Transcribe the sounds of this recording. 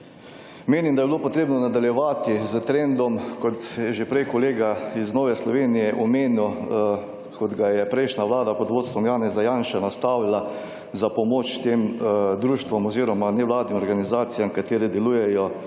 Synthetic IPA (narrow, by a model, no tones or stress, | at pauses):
meːnimd̪ajɛbilopɔt̪ɾeːbnɔnad̪aljɛʋaːt̪izət̪ɾɛnd̪ɔmkɔt̪jɛʒepɾɛjkɔleːɡaiznoːʋɛslɔʋeːnijɛʔɔmeːnu | kɔd̪ɡajɛpɾɛɪʃnaʋlaːd̪apod̪ʋoːt̪st̪ʋɔmjaːnɛzajaːnʃanast̪aʋila | zapɔmoːt͡ʃt̪emd̪ɾuːʃt̪ʋɔmɔziːɾɔmanɛʋlaːd̪nimɔɾɡanizaːt̪sijamkat̪eːɾɛd̪ɛlujɛjɔ